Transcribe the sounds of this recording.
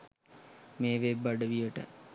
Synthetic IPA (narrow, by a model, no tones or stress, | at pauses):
meːʋebːaɖəʋijəʈə̰